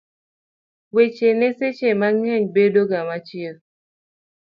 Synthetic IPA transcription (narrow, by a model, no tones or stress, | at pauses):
wet͡ʃeneset͡ʃemaŋɛɲbedoɡamat͡ʃiə